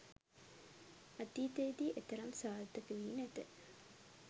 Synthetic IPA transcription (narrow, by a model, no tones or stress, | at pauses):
ɐt̪iːt̪eːd̪iːʔet̪ɐɾɐmsaːlt̪ɐkeʋiːnæt̪ə